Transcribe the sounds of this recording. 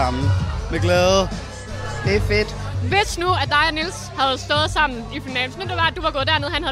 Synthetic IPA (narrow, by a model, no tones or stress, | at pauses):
ɑmn̩meɡ̥lɛðˠ | d̥efed̥ʋesnuæd̥ɑ̈ɪænils | hæð̞̩ˠsd̥ɔ̽ːð̩ˠsɑ̈m̰n̩ifinɛ̰m̩snud̥eʋɑ̈æ̥d̥uʋɑ̈ɡ̥ɔ̽ːd̥æɐneð̩ˠhænhæ